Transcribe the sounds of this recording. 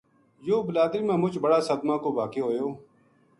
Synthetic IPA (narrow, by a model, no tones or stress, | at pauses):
joːbʊlaːd̪ɾiːmãːmʊt͡ʃbɐɽaːsəd̪mãːkoːbaːkeːɦoːjoː